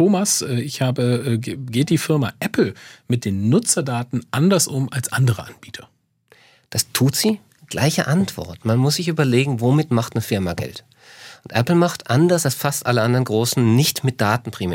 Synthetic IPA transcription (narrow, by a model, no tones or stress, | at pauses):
toːmasʔɛːɪçhaːbəɛɡeːt̚d̥iːfɪɐma̰ʔɛpl̩mɪt̚d̥eːnːʊt͡sɐdaːtn̩ʔandɐsʔʊmalsʔandəʁə̰ʔanb̥iːtʰɐ | d̥astʰuːtz̥iː | ɡ̥la̰ɪçə̰ʔantv̥ɔ̰ɐtmanmʊsz̥ɪçʔyːbɐleːɡŋ̩vomɪtmaχtnəfɪɐmaɡɛ̰lt | ʔʊntʔɛpl̩maχtʔandɐsalsfastʔaləʔandɐnɡʁoːsn̩nɪçtmɪt̚d̥aːtn̩pʁ̥imɛː